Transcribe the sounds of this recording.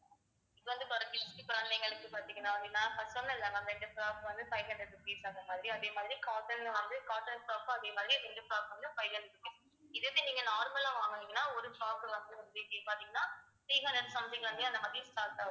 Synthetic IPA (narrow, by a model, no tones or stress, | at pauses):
ɪðɯʋɐnd̪ɯt̪ɔɾɐpɪsʈɯkʊɾɐnlɐŋɡɐɭɯkːɯpaːɾt̪ĩŋɡɐnːaːʋɐiŋɐnːaːfɐsɐnɐɪlːɐŋɐɛɳɖɯpɾaːkʋɐnd̪ɯpɐɪɦɐɳɖɾɪɖɯpiːsɐnd̪ɐmaːðɪɾiɐðeːmaːðɪɾikaːʈːɐnʋɐnd̪ɯkaːʈːɐnpɾaːkːɐɐðeːmaːðɪɾiʋɛnɖɯpɾaːkɐnd̪ɯfɐɪɣɐɳɖɾɪʈːɯpiːs | ɪðɯðeniːŋɡɐnaːɾmɐlaːʋaːŋɡɐniŋɡɐnːaːɔɾɯpɾaːkɯʋɐnd̪ɯʋɐnd̪ɯɪðeːpaːɾt̪ĩŋɡɐnːaː | tiːɦɐɳɖɾɐɽɖsɐmsɐŋɡɐɭʋɐnd̪ɯɐnd̪ɐmaːðɾisʈaːɾʈaː